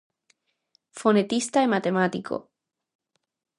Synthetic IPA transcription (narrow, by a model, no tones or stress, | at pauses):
fonet̪ist̪aemat̪emat̪ikʰo̰